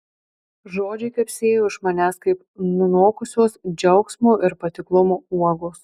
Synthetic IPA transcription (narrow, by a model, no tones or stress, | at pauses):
ʒoːd͡ʒʲɛɪkɐɪpʲsʲeːjoːɪʃmɐnʲæːskɐɪp | mʲɪnoːkʊsʲuɔsd͡ʒʲɛʊksʲmoːʔɪɾpɐt̪ʲɪklˠʊmoːuɔɡoːs